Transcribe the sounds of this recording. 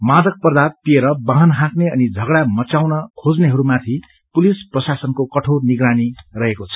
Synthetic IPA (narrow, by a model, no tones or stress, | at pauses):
mad̪ʌk̚pʌrd̪at̪̚pieɾʌbãɦʌnɦãkneʌnid͡zʱʌɡɽamʌt͡sawnʌkʰod͡zneɦʌɾumat̪ʰi | pulisprʌsasʌnkokʌʈʰorniɡranirʌɦekot͡sʰʌ̥